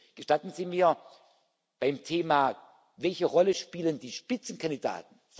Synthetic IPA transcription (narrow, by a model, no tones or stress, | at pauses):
ɡ̥əʃtatn̩ziːmiːɐ | b̥aɪmtʰeːmaː | vɛlçəʁɔləʃpiːləndiːʃpɪt͡sn̩kʰandida̰ːtn̩